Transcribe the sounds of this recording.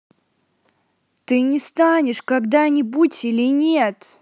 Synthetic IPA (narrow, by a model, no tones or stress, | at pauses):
t̪ɨnʲɪst̪anʲɪʂkaɡd̪anʲɪbutʲilʲɪnʲet̪